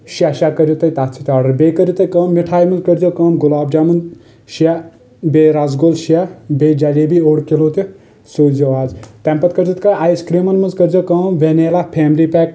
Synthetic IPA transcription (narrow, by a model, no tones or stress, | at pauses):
ʃaʃakəɾʲjut̪ɐjt̪aːt͡ʃʰit̪ʲaːɖɐɾbekəɾʲjut̪ɐjkɐːmːiʈʰaːjmɐnzkəɾʲd͡ʒoːkɐːmɡulaːb̚d͡ʒaːmɐn | ʃa | bʲeːɾazɡolʃiabʲeːd͡ʒalebioːɽkiloːt̪e | soːd͡ʒɐʋaːzt̪ɛmpɐt̪kəɾd͡ʒit̪kɐjaːjskɾiːmɐnmɐnzkəɾd͡ʒokɐːmʋeneːlapʰɛːmliːpʲɛːk̚